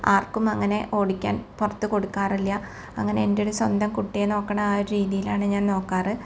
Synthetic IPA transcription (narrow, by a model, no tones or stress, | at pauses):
aːrkumɐŋːɐne̞ʔo̞ːɽikʲːa̰ːnpurɐt̪ːɨko̞ɽukːaːrilːjɐ | ɐ̰ŋːɐne̞endeoɾuswɐnd̪ɐmkuʈːijeno̞ːkːɐɳɐmaːɾuɾiːðijilaːɳɨɲaːnno̞ːkːaːrɨ